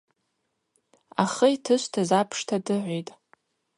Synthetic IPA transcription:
aχəjtʰɨʃʷtʰazapʰʂtʰadɨʕʷejtʼ

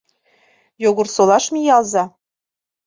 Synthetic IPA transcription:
joɣɤ̆rsolɑʃmijɑlˠzɑ

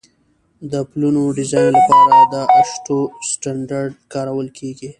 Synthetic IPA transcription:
d̪əplunoɖɪzɑjnlapɑɾad̪əaʃʈosʈaɳɖaɾɖkɑɾawəlkʰeɡi

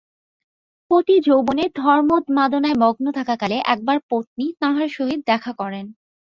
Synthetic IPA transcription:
pot̪id͡ʑowboned̪ʱɔɾmod̪mad̪onaemɔɡnot̪ʰakakaleʔɛk̚baɾpot̪̚nit̪ãɦaɾʃoɦid̪̚ːɛkʰakɔɾen

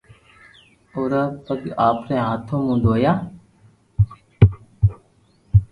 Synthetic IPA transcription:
oːɾaːpəkaːpɾẽːɦaːt̪ʰõːmũːnd̪oːjaː

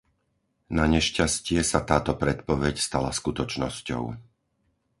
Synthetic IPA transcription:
naɲɛʃcascɪɛsat̪aːt̪ɔpɾɛt̪pɔʋɛcst̪alaskut̪ɔt͡ʃnɔscɔ̰ʊ

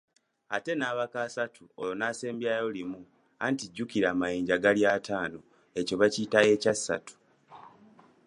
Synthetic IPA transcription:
a̰te̞naːβakaːsatʰuolonaːse̞ːmbjajo̞limu | a̰ntiɟːukiɾaːmajiːɲɟaɡaljaːtʰaːno | e̞co̞βacitae̞casːa̰tʰu̥

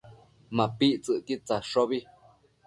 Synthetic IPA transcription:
mãpiʔt͡sɨʔkit͡saʂoβi

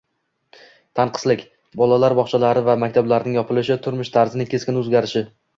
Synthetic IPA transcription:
t̪ʰanqʰɨ̥slɪkʲ | bɒlalaɾbɒχt͡ʃʰalaɾɪvamak̚ʲt̪ʰablaɾɪnɪŋjɒpʰɪlɪʃɪt̪ʰʊɾmʊʃt̪ʰaɾzɪnɪkʲʰe̞skʲɪnɵzɡʲaɾɪʃɪ

